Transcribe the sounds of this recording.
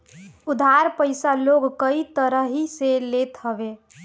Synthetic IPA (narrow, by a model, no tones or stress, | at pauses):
ʊd̪ʱaɾpəɪsaloɡkəit̪əɾəɦiselet̪ɦəbe